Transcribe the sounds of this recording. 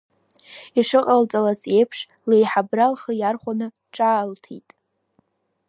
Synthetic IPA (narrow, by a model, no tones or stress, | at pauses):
iʂɨqʼalt͡sʼalaze̞jpʰʂ | lejħabralχəjarχʷanɨ | ʈ͡ʂʼaːltʰḛjtʼ